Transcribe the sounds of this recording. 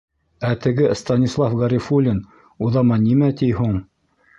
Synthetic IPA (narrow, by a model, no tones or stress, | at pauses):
æt̪ɘ̆ɡɘst̪ɑnʲislˠɑfɡɑɾʲifulʲin | uðɑmɑnimæt̪ijhuɴ